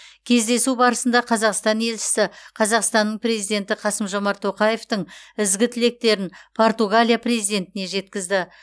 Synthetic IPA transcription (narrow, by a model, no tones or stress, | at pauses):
kʲʰe̞zd̪e̞subɑɾəsənd̪ɑqʰɑzɑqst̪ɑne̞lʃɪ̥sɪqʰɑzɑqst̪ɑnːəɴpɾʲe̞zijd̪e̞nt̪ɪqʰɑsəmʒo̞mɑɾt̪ʰo̞qɑje̞ft̪əɴɪzɡʲɪt̪ʰɪle̞k̚t̪e̞ɾɪnpʰo̞ɾt̪uɡalʲijaprezijd̪ʲe̞nt̪ɪne̞ʒe̞t̪kʲɪzd̪ɪ